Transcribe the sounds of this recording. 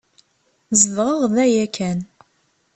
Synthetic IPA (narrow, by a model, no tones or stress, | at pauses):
zəðʁəʁðæjækʰæn